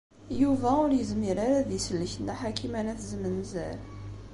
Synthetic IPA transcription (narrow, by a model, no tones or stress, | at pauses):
juvæʊɾjəzmiɾaɾaðisəlːəçnaħakʰimænæθzəmənzæ̰l